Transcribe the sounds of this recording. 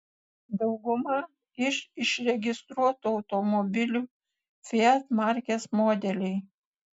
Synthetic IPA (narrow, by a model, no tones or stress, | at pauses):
d̪ɒʊɡʊmɐ | ɪʃɪʃɾʲɛɡʲɪst̪ɾuɔt̪uɒʊt̪omɔbʲɪlʲuː | fʲeɛt̪mɑɾʲkʲeːsmoːd̪ʲɛlʲɛɪ